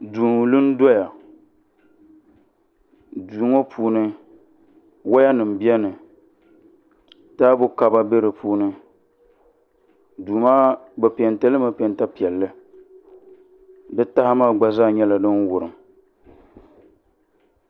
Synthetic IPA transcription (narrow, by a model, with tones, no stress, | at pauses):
duː˨ŋ˨lɨ˦n˦dɔ˦ja˨ | duː˨˦ŋo˦pʰuː˦nɨ˦ | wa˦ja˦nɨ˨m̩˨bi˦ɛ˦nɨ˨ | taː˦bʊ˦ka˦ba˦be˦ɾɨ˨puː˦nɨ˦ | duː˨maː˦bɛ˨pi˨ɛ˨ntɛ˦lɨ˦ma˨pɛ˨nta˦pi˨ɛ˨lːɨ˦ | dɨ˦ta˦ha˦maː˦˨ɡ͡ba˨zaː˦˨ɲɛ˦la˨dɨ˦nwʊ˨ɾɨ˨m